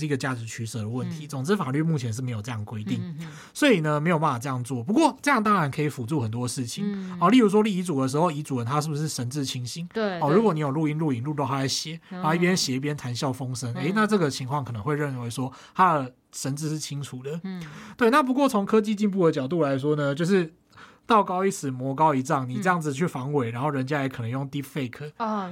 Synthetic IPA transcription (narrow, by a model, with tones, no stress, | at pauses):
i˧˥ɡə˨˧t͡ɕja˥˩ʈ͡ʂɻ̩˧˥t͡ɕʰy˧˥sɤ˨˩d̪ə˩wə˥˩nt̪ʰi˨˦t͡so˨˩ŋt͡sɻ̩˥fa˨˩ly˥˧mu˥˩t͡ɕʰjɛ˧˥nʂ̬̩˥˩me˧˥ɪjo˨˩ɤ˥˧jɑ˥˩ŋ˩kwe˥ɪt̪i˥˩ŋ | swɔ˧˥i˨˩nə˦me˧˥ɪjo˨˩p̬a˥˩a˨˩ʈ͡ʂɤ˧jɑ˥˧ŋt͡swɔ˥˩p̬u˧˦kwɔ˥˨ʈ͡ʂɤ˥˧jɑ˥˨ŋt̪ɑ˥ŋɻa˧˥nkʰɤ˧˥i˨˩fu˨˩t͡su˥˩xə˨˩nt̪̬wɔ˦˥˧ʂɻ̩˥˩t͡ɕʰi˨˩ŋɔ˨˩li˥˩ɻu˧˥ʂ̬wɔ˥li˧˩i˧˥t͡su˨˩d̪ə˦ʂ̬ɻ̩˧˥xo˥˩ʊi˧˥t͡su˨˩ə˨˦nt̪ʰa˦ʂɻ̩˥˩bu˩ʂɻ̩˥˩ʂə˧˥nt͡sɹ̩˥˧t͡ɕʰi˧˥ŋɕi˥ŋwɔ˩ɻu˧˥kwɔ˨˩˦ni˨˥jo˨˩ʊlu˥˧i˧˥˧nlu˥˩i˧˥ŋlu˥˧˩t̪o˥˧ʊa˥˩a˧˩ɕjɛ˨˦na˨˥˨i˥˩p̬jɛ˥nɕjɛ˨˩i˥˩p̬jɛ˥nt̪ʰa˧˥nɕjɑ˥˩ʊfo˦ŋsə˦ne˧˦ɪna˥˧ʈ͡ʂɤ˥˩ɡə˩t͡ɕʰi˧˥ŋkʰwɑ˥˩ŋkʰnə˧˦ŋwe˥˧ə˥˩nwe˧˥ɪʂwɔ˥t̪ʰa˦˥d̪ə˨ | ʂə˧˥nt͡sɹ̩˥˧ʂ̬̩˥˩t͡ɕʰi˥ŋt͡sʰu˨˩d̪ə˦t̪we˥˧ɪna˥˨˩p̬u˧˥kwɔ˥˩t͡sʰo˧˦ŋkʰɤ˥t͡ɕi˥˧t͡ɕi˥˧np̬u˥˩ə˨t͡ɕjɑ˨˩ʊt̪̬u˥˩la˧˦ɪʂ̬wɔ˥nə˨˧t͡ɕjo˥˧ʊʂɻ̩˥˧ | t̪ɑ˥˩ʊkɑ˥ʊi˥˩t͡sʰɹ̩˨˩mwɔ˧˥kɑ˦˥ʊi˧˥t͡sɑ˥˩ŋni˨˩t͡sɤ˥jɑ˥˩ŋd͡zɹ̩˨˩t͡ɕʰy˥˩fɑ˧˥ŋwe˨˩ɪɻa˧˥nxo˥˩ɻə˧˦nt͡ɕja˦˥jɛ˧˦kʰɤ˨˩nə˧˦ŋjo˥˩ŋt̪i˥fe˥˩ɪkʰɤ˦˥